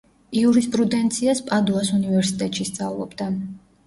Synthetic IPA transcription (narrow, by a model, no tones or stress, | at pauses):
iuɾispʼɾud̪ɛnt̪sʰiaspʼad̪uasunivɛɾsit̪ʼɛt̪ʼʃist̪sʼa̰vlˠɔ̰bd̪a